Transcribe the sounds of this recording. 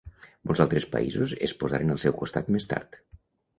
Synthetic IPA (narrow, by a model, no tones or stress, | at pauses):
mɔlzalˠt̪ɾespə̰ḭzuzespozaɾenəlˠsɛwkust̪at̪mest̪a̰ɾt̪